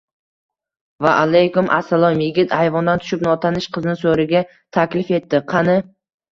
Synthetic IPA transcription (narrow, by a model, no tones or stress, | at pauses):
vaʔalajkʊmʔa̰sːalˠɒmjɪɡʲɪt̪ʰajvɒnd̪ant̪ʰʊ̥ʃɪp̚nɒt̪ʰanɪʃqʰɨznɪsoɾɪɡʲa | t̪ʰakʲlɪfe̞t̪ːɪqʰɑnɪ